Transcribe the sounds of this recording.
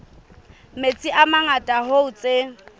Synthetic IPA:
met͡sʼiʔamaŋatʼaɦoʊt͡sʼe

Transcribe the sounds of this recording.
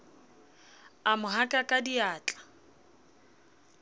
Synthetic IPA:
amʊɦakʼakʼadiaːt͡ɬʼḁ

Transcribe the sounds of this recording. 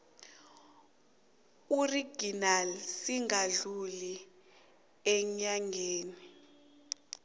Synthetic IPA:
uriɡ̥inalsiŋaɮuli | ɛɲaŋɡʱeːni

